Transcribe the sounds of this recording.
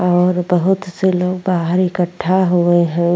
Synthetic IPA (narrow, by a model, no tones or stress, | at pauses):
ɔːɾbɐɦʊt̪seloːɡbaːɦəɾɪkəʈʰːaɦueɦɛ̃